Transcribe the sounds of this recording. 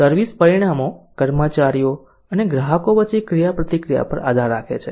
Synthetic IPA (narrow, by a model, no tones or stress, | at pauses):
səɾʋispəɾiɽ̃amokəɾmət͡ʃaɾijo | əneɡɾaɦəkoʋət͡ʃikɾijapɾət̪ikɾija̰pə̰ɾa̰d̪ʱaɾːakʰḛt͡ʃʰe